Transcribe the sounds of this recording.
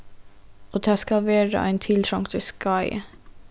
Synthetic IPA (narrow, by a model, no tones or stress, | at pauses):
oːd̪æːskɑlʋeːɾə̰ʔæ̰ɪnt̪ʰɪlt̪ʰɾɔŋt̪ʰəskɑɪ